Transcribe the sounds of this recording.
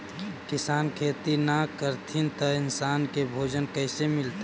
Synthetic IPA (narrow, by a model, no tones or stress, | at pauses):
kɪsaːnkʰeːt̪inakəɾt̪ʰint̪əɪnsaːnkebʱoːd͡ʒənkəɪsemɪlt̪a